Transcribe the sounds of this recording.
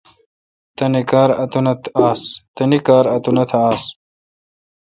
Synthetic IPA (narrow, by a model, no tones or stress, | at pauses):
t̪ɐnikaːɾɐ̰t̪unɐt̪ʰaːst̪ɐnikaːɾɐt̪unɐt̪ʰɐaːs